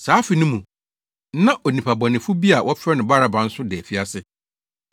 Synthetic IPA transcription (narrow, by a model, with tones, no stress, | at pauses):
saː˨˦fi˨nʊ̃˦mũ˨˦ | nã˦ʔɔ˨nĩ˨pʰa˨bɔ˨nɪ̃˨fʊ˦bi˦a˨wʔɔ˦fʰɾɛ˦nʊ̃˨ba˦ɾa˨ba˨n̩˦sʊ˦dɛ˨fi˦a˦sɪ˦